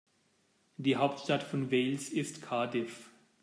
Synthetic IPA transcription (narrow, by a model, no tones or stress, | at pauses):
d̥iːɦaʊp̚tʃtatfɔnvelsɪstkʰaɐdɪf